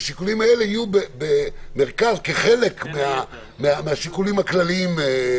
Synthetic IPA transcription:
ʃikulimae̞leijubebeme̞ʁkazkeχe̞le̞kmea | meameaʃikulimhaklaliim

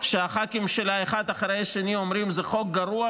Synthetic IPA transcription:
ʃeaχakimʃelaeχad̪aχɾejʃaniomɾimzeχo̞k̚ɡaɾua

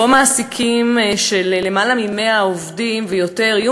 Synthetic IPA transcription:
omaːsikʰimʃelːemalamimeaovdimvejo̞te̞ʁaju

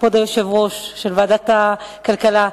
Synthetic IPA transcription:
pod̪ajoʃevʁo̞ʃʃelveːd̪at̪akalkala

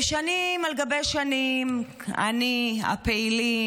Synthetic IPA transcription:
ʃanimaleɡabejʃanim | a̰nia̰peili

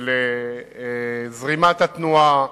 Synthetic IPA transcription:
le | zʁimat̪at̪nua

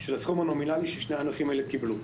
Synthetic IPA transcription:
ʃelasχumanominaliʃeʃneanafimaelekiblu

